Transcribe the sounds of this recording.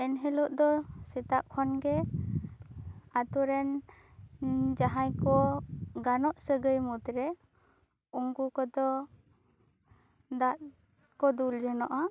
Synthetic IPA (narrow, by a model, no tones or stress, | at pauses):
ɛnɦɛlɔʔd̪ɔsɛt̪aʔkʰɔnɡɛ | at̪uɾɛn | d͡ʒaɦãjkɔɡanɔʔsəɡəjmut̪ɾɛ | uŋɡukɔd̪ɔ | d̪aʔ | kɔd̪uld͡ʒɔnɔʔa